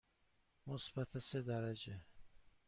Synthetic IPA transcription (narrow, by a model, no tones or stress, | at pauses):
mosbat̪ʰased̪æɾad͡ʒe